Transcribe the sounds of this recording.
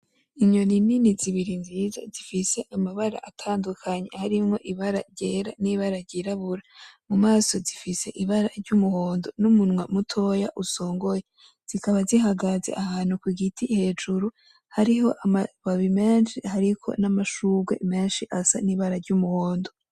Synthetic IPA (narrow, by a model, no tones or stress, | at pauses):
iɲo̞nininiziβiɾinziza̰zifise̞ʔamaβaɾa̰ʔatʰaːndukʰaɲe̞haɾimŋo̞ʔiβaɾa̰ɾɟeːɾa̰niβaɾaɾɟiɾaβuɾamumaːso̞zifise̞ʔiβaɾaɾɟumuhoːndo̞numunŋwemutʰo̞jaʔuso̞ːŋɡo̞je | z̥ikaβaziɦaɡaze̞̰ʔahaːn̥hukwiɡitʰihe̞ːd͡ʒuɾu | haɾiho̞ʔamaβaβime̞ːnʃihaɾikʰo̞̰namaʃuɡwe̞̰me̞ːnʃiʔasa̰niβaɾaɾɟumuho̞ːndo